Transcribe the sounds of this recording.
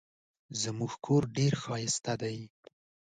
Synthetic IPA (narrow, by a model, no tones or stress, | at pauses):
zəmuɡkʰoɾɖeɾxɑjɪst̪ad̪aj